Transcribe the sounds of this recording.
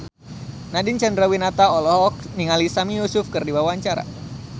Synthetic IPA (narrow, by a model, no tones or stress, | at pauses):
nadɪnt͡ʃandɾawinat̪aɔlɔɦɔk̚ | niŋalisamijusʊfkɨrdiwawaɲt͡ʃaɾa̰